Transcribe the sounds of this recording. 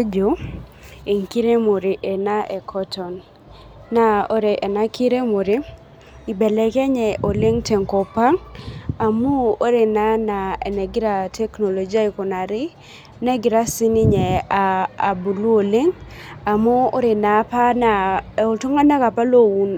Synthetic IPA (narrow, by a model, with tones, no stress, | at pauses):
d͡ʒo˨ | e˨ŋki˦ɾe˦mo˨ɾi˨ʔe˨na˦ʔɛ˨kʰɔ˦tɔ˨nː | a˦o˦ɾe˨ʔɛ˨na˦ki˦ɾe˦mo˨ɾi˦ | ɪ˨bɛ˨lɛ˨kɛ˦ɲɛ˨ʔo˨le˦ŋtɛ˨ŋkɔ˨pa˦ŋa˨mu˦o˦ɾe˨na˦na˨ɛ˨nɛ˨ɡɪ˦ɾa˨tʰɛ˦kno˨lo˨d͡ʒi˦a˦i˨kɔ˨na˨ɾɪ˦ | nɛ˦ɡɪ˨ɾa˦sɪ˦nɪ˦ɲɛ˨aː˨bu˨lu˦o˨le˦ŋa˨mo˦o˦ɾe˨na˨˦pa˦na˨o˨to˦ŋa˦na˦ka˨pa˦lo˦wu˦n